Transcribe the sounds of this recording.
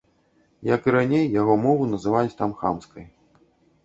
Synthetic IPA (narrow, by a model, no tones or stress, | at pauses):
jɐkɨɾanʲejːaɣɔmɔvunɐzɨvalʲt̪amxa̰mskɐj